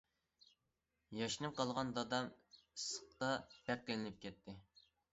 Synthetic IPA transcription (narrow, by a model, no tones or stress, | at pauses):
jɑʃnɨmqɑlˠʁɑnd̪ɑd̪ɑmsə̥qt̪ɑt̪ɛk̚kʲlɪnɪp̚kʲɛt̪ʰːɪ